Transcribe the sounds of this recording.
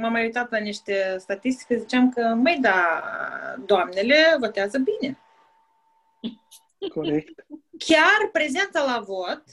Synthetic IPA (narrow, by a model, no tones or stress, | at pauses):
mamajujt̪at̪laniʃt̪e̞st̪at̪ist̪i̥kəzit͡ʃeamkəməjd̪a | d̪oamne̞le̞vo̞t̪eazəbine̞ | koek̚t̪kʲarpɾe̞ze̞nt̪salavo̞t̪